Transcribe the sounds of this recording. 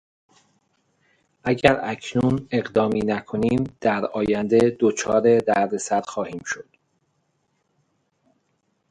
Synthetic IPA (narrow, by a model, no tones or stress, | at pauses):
ʔæɟæɾæcʰnune̞ɣd̪ɒːmiːnækʰo̞niːmd̪̥æɾɒːjænd̪ed̪ot͡ʃʰɒːɾe̞d̪æɾd̪esæɾxɒːhiːmʃo̞d̪̥